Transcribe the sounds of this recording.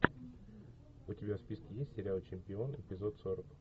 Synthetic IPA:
ʊtʲɪbʲafspʲiskʲɪjesʲtʲsʲɪɾʲalˠt͡ɕɪmʲpʲɪo̞nɪ̰pʲɪzo̞t̪soɾək

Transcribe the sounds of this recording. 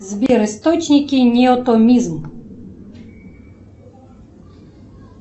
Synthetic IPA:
zbʲjɛɾɨst̪ɔt͡ʃnʲikʲinʲɛɔt̪ɔmʲizm

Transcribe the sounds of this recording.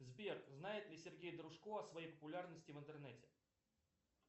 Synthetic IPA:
zbʲerznajɪt̪lʲɪsʲɪrɡʲejd̪əɾʊʂkoɐsvɐjejpəpʊlʲarnəsʲtʲɪvɨnt̪ɨrnɛtʲɪ̥

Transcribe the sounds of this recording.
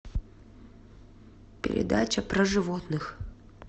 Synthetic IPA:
pʲɪ̰ɾʲɪ̰d̪at͡ɕəpɾəʐɨvot̪nɨx

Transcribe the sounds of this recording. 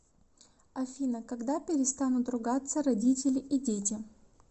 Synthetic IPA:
ɐfʲinəkɐɡd̪apʲɪɾʲɪst̪anʊt̪rʊɡat̪sːəɾɐdʲitʲɪlʲɪʔidʲetʲɪ

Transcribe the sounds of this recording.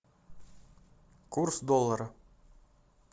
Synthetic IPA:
kursd̪olˠːaɾə

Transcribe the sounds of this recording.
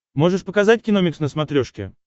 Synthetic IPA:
mo̞ʐɨʂpəkɐzatʲkʲɪnomʲɪksnəsmɐt̪ɾʲoʂkʲɪ̰

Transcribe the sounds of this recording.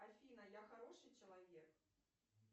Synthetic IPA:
afʲinɐjaxaɾɔʂɨjt͡ʂɐlˠavʲɛk

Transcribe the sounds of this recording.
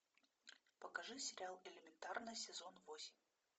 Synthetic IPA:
pəkaʐɨsʲɪɾʲɪalˠɪlʲɪmʲɪnt̪arnɨjsʲɪzonvosʲɪmʲ

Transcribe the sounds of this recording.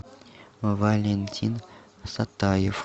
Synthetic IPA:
vɐlʲenʲt̪ʲʰin | sat̪ːajef

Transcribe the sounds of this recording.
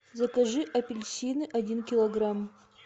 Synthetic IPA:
zɐkɐʐɨʔɐpʲɪlʲsʲinɨʔɐdʲinkʲɪlˠɐɡram

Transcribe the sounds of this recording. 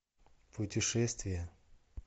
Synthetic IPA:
pʰʊtʲɪʂɛst̪vʲɪjə

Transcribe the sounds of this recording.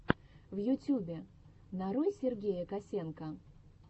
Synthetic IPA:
vjʊtʲubʲɪ | naɾojsʲɪrɡʲejəkɐsʲenkə

